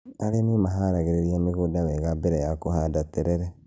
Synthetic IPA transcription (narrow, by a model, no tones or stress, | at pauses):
aɾenimaɦaɾaɣeɾeɾiamiɣodaβeɣabeɾejakohadateɾeɾe